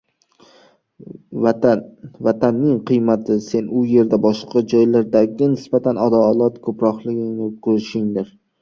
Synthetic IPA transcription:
vat̪ʰanːɪŋqʰɨjmat̪ʰɪse̞nʊje̞ɾd̪abɒʃqʰɑd͡ʒɒjlaɾd̪aɡʲɪnɪsbat̪ʰanɒd̪alˠɒt̪kʰɵpɾɒqlˠɪɡʲɪŋnɪkʰɵɾɪʃɪŋd̪ɪɾ

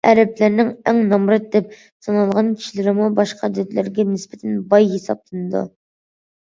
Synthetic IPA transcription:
ɛɾɛplæɾnɪŋɛŋnɑmɾɨt̪̚d̪ɛp̚ | sɑnɑlˠʁɑnkʲʰi̥ʃilɪɾɪmubɑʃqʰɑd̪ɪt̪lɪɾɡʲɛnɪspɪ̥t̪ʰɛnbɑjɦesɑp̚lˠɨnɨd̪ṵ

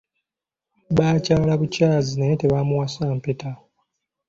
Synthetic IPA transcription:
βaːcaːlaβucaːzinajeteβamuwasaːmpeta

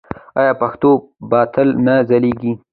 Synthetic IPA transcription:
ɑjɑpaxt̪obɑt̪əlnazaleɡi

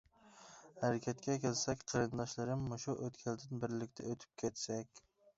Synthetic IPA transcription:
hæɾɪkʲʰɛt̪̚kʲɛkʲʰelsɛkʲqʰɑɾɨnd̪ɑʃlˠɨɾɪmːoʃuʔøt̪kʲʰæld̪ɪnbɪɾlɪkʲt̪ʰɛøt̪ʰy̥p̚kʲʰet̪sɛkʲ

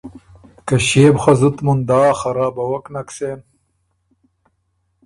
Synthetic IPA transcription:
kɐɕebxɐzut̪mund̪aːxɐɾaːbɐwɐknɐkseːn

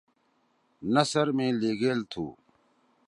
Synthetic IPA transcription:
nɐsəɾmẽːleːɡeːlt̪ʰṵː

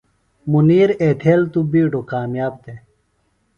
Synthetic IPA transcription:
muniːɾeːt̪ʰeːlt̪ubiːɖokaːmjaːb̚d̪e

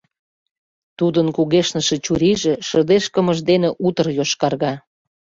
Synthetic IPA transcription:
t̪ud̪ənkuɣeʃnəʃĕt͡ɕuɾiʒĕʃə̆d̪eʃkə̆mə̆ʒd̪eneʔut̪ə̆rjoʃkɑrɣɑ

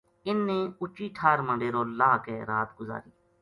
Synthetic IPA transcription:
ɪnːẽːʊt͡ʃiːʈʰaːɾmə̃ɳɖeːɾoːlaːkɛːɾaːt̪ɡʊza̰ːɾiː

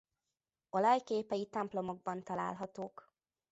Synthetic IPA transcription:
olɒjkeːpɛjit̪ɛmplo̞mo̞ɡ̚bɒnt̪ɒla̰ːlɦɒt̪oːk

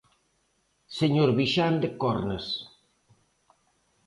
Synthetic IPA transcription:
seɲoɾβiʃand̪ekɔɾnes

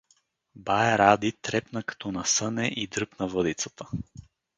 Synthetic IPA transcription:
bajɛɾad̪it̪ɾɛpnəkɐ̥t̪ɔnɐsɤnɛʔid̪ɾɤpnɐvɤd̪it̪sə̥t̪ʰə

